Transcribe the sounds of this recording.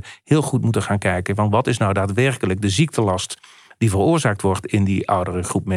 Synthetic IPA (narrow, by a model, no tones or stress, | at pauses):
hɪːlˠχutmutənχaːnkɛjkənvɑnʋɑtɪsnɔwdaːtʋɛrkələɡ̚dəzik̚tʰəlɑst | d̥ivərʊːɹzaːk̚tʋɔɹtɪndiʔʌwdərəχrupmɛ